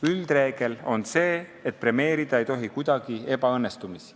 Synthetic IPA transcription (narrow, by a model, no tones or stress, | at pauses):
yld̪̥re̞ːɡ̥e̞lo̞nse̞ːet̪̚pɾe̞me̞ːɾid̪̥ɑe̞jt̪o̞ɦikujd̪̥ɑɡ̥ie̞b̥ɑɤnːest̪umisi̥